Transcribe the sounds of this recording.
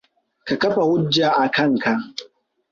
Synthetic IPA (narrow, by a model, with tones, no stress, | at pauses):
ka˨kɐ˦ɸa˨wʊ˦d͡ʒːaː˨ʔa˨kɐ˦ŋka˨ʔ